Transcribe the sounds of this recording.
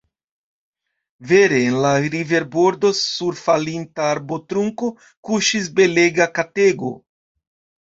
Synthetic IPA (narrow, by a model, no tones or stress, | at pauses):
ve̞ɾe̞ːnlaɾive̞ɾbo̞ɾdo̞suɾfalintaːɾbo̞tɾuŋko̞ | kuʃis̬be̞le̞ɡakate̞ɡo̞̰